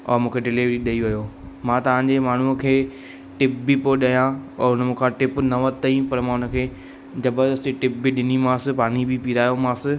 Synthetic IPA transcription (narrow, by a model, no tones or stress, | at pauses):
ɔ̰ːɾmũːkʰeɖɪliʋɾiɗɐiʋɐjoː | mãt̪ɐʋ̤ãɲd͡ʑemaːɳ̤ukʰeː | ʈɪp̚bipoɗɐjãɔːɾʊnəmũːkʰãʈɪpnɐʋɐt̪ɐĩpɐɾmãːʊnə̆kʰeː | d͡ʑɐbədɐsd͡ʑiʈɪp̚biɗɪnimãːsɪpaːnibʱipiːɾaːjomãːsɪ